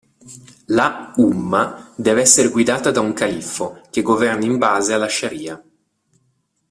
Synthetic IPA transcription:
laumːad̪ɛːveɛsːeɾeɡwid̪aːt̪ad̪auŋkalifːok̟eɡovɛrnaimbaːzealːaʃːaɾiːa

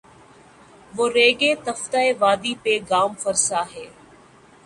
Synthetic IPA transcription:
ʋoːɾeːɡeːt̪ɐft̪aeʋaːd̪ipeɡaːmfəɾsaːɦɛː

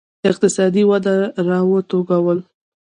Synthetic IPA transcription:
ɪq̚t̪ɪsɑd̪iwad̪aɾɑwət̪oɡawəl

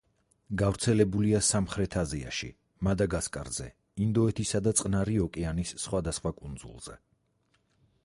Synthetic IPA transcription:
ɡavɾt̪sʰɛlɛbuliasamχɾɛt̪ʰazia̰ʃḭ | mad̪aɡaskʼa̰ɾz̥ɛ | ind̪ɔɛt̪ʰisad̪at̪sʼqʼnaɾiɔkʼɛanisːχwad̪asχwakʼund̪zṵlˠz̥ɛ̰

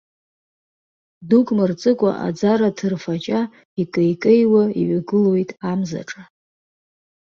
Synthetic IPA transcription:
dukʼmɨrt͡sʼɨkʷʼa̰ʔa̰d͡zaɾatʰɨrfat͡ʃʼa | ikʼejkʼejwaḭɥaɡɨlwojtʼamza̰ʈ͡ʂʼa

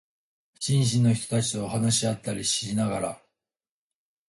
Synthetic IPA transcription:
ɕĩɰ̃ɕ̬ĩnːo̞çi̥t̪o̞t̪at͡ɕi̥t̪o̞ːɦanaɕiat̪ːaɾʲiɕinaɡaɾa̰

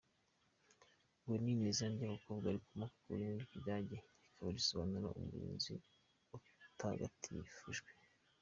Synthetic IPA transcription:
ɡweninizandiaβakobɡaɾikumaku̥kuɾiniɾikidaːɟeikʰaβaɾisoβanuɾa̰ʔṵmuɾḭːnzḭ | u | taɡa̰tʰḭfuʒɡwe

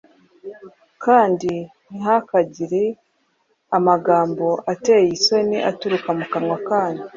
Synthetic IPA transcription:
kaːndi | nihakaɟiɾe | amaɡaːmbo̞ʔate̞jiso̞niʔatuɾukamukamŋwakaːni

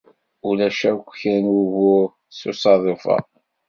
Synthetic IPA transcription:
ulæʃækʷːçænuvʊɾ | susɑðˤufɑ̰

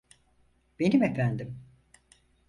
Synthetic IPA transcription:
b̥e̞nimefænd̪im

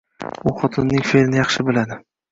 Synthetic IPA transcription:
ʊχɒt̪ʰɪnːɪŋfelɪnɪjɑχʃɪbɪlad̪ɪ

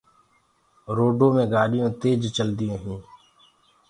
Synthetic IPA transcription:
ɾoːɖõːmẽːɡaːɗɪjõːt̪eːd͡ʒt͡ʃəld̪ɪjõːɦũː

